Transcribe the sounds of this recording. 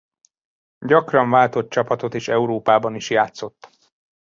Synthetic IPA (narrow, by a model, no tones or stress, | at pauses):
ɟɒkrɒɱvaːlt̪ot̪̚t͡ʃɒpɒt̪o̞t̪eːʃɛuɾoːpaːbɒniʃjaːt̪so̞t̪ː